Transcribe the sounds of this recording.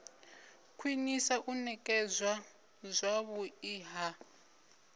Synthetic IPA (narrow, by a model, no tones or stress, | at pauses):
kʰwinisaʔunɛkʼɛzʷwa | zʷaβuiːɦa